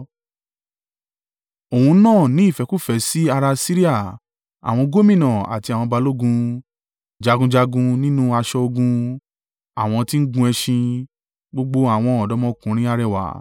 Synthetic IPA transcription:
o˨ũ˧˦nãː˦˨nĩ˨˦i˦˨fɛ˨˧ku˦˨fɛ˨˦si˦a˧ɾa˧si˦ɾi˦a˦˨ | a̰˨w̃ɔ̃˧ɡo˦mĩ˦˨nã˨a̰˨ti˧a˨w̃ɔ̃˧ba˧lo˦ɡũ˧ | d͡ʒa˧ɡũ˧d͡ʒa˧ɡũ˧nĩ˦nũ˦a˧ʃɔ˧o˧ɡũ˧ | a˨w̃ɔ̃˧ti˦n̩˦ɡũ˧˦ɛ˧ʃĩ˧ | ɡ͡bo˦ɡ͡bo˦a˨w̃ɔ̃˧ɔ˨dɔ˨˦mɔ̃˧˦kũ˨˦ɾ̃ĩ˦a˧ɾɛ˦˨wa̰˨˦

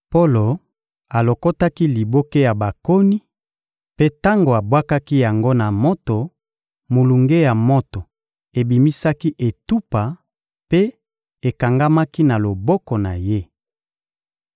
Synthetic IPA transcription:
po˦lo˨ | a˨lo˨ko˦ta˦ki˦li˨bo˦ke˦ja˨ba˨ko˦ni˦ | pe˦ta˦ŋɡo˨a˨bwa˦ka˦ki˦ja˨ŋɡo˦na˨mo˦to˨ | mo˨lu˨ŋɡe˦ja˨mo˦to˨ | e˨bi˨mi˦sa˦ki˦ʔe˨tu˦pa˨ | pe˦ | e˨ka˨ŋɡa˦ma˦ki˦na˨lo˨bɔ˦kɔ˨na˨je˦

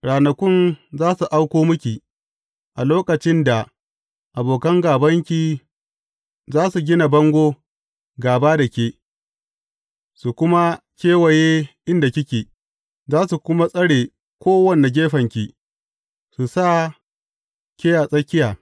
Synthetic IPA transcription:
ɽaː˨nɐ˨kʷʊ˦nzaː˦su˨ʔa˦wkʷoː˦mʊ˦kʲi˨ | ʔa˨loː˦kɐ˨t͡ʃɪ˦nda˨ | ʔa˨boː˨kɐ˦ŋɡaː˨bɐ˦ŋkʲi˨ | zaː˦su˨ɡʲɪ˦na˨bɐ˦ŋɡʷoː˦ | ɡaː˨baː˦dɐ˨kʲeː˦ | su˨kʷʊ˦ma˦kʲeː˦wɐ˨jeː˦ʔɪ˦nda˨kʲɪ˦kʲeː˨ | zaː˦su˨kʷʊ˦ma˦sʼɐ˦ɽeː˨ | kʷoː˦wɐ˦˨nːe˨ɡʲeː˦ɸɐ˨ŋkʲi˨ | su˨sa˦˨ | kʲeː˦jaː˨sʼɐ˦kʲɪ˦jaː˨

